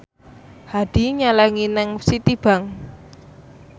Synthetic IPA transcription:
had̪̥i̤ɲalɛŋinɪŋsit̪ib̥a̤ŋ

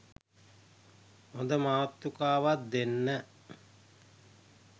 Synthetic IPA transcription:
ond̪əmaːt̪ːukaːʋat̪̚d̪enːə

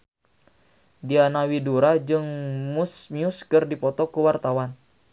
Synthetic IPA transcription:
dianawiduɾad͡ʒɨŋmusmiuskɨrdipɔt̪ɔkuwart̪awan

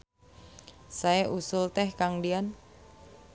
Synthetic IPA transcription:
saeʔusʊlt̪ɛhkaŋdian

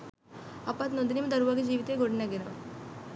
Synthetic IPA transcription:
apat̪nod̪inimd̪əɾuʋaɡid͡ʑiːʋit̪eɡoɽnjaɡena

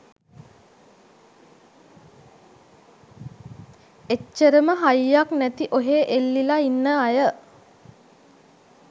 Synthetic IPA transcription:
et͡ʃːəɾəməɦajjːaknæt̪iʔoɦeːʔelːilainːəajə

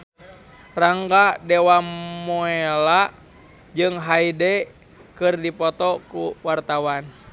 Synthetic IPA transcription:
raŋɡadɛwamoela | d͡ʒɨŋɦaidɛ | kɨrdipɔt̪ɔkuwart̪awan

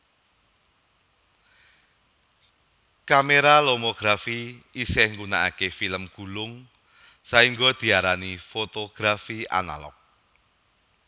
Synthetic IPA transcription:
kameɾalomoɡ̥ɾafiisɛhŋɡuna̰ʔa̰kefiləmɡ̥ṳlʊŋ | saiŋɡod̪̥i̤aɾanifot̪oɡ̥ɾafia̰na̰lɔ̰k̚

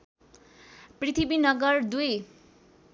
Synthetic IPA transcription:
prit̪ʰibinʌɡʌrd̪uj

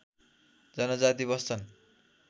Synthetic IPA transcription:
d͡zʌnʌd͡zat̪ibʌst͡sʰʌn

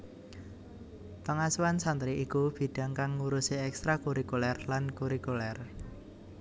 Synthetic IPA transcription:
paŋasuwansant̪ɾiʔikub̥i̤ɖ̥a̤ŋkaŋːuɾuseɛkst̪ɾakuɾikulɛrlankuɾikulɛr

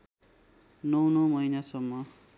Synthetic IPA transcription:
nʌwnʌmʌinasʌmːʌ

